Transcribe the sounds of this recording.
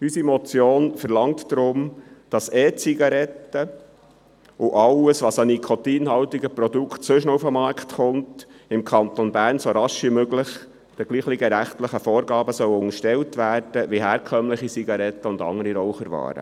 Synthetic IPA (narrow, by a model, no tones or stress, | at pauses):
ysimɔt͡sjoːnfəɾlɑŋt̪d̥ɾʊmd̥ɑseːt͡siɡɑɾɛtə | ʊʔɑwəsʋɑsɑnikʰɔt̪iːnɦɑwtiɡəpɾɔdukχtsɵʃnoufəmɑːɾktχʊntɪmkʰɑnt̪onbæːɾnsoɾɑʃʋimøɡləχ | d̥əɡ̥liːχliɡəɾæχtləχəfɔːɾɡɑːbəsœwʊŋəʃtɛwtʋæːrd̥əʋiɦæːɾkʰœmləχit͡siɡɑɾɛt̪ːəʊndɑ̰ŋəɾiɾɔwχəɾʋɑ̰ːɾə̰